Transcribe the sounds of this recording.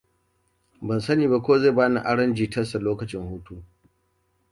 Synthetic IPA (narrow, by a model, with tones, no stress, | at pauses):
bɐ˨nsɐ˦niː˨ba˦kʷoː˦ze˦˨baː˦na̰˨ʔa˦ɽɐ˦nd͡ʒiː˨tɐ˦sa˨loː˦kɐ˨t͡ʃɪ˦ŋhuː˦tuː˦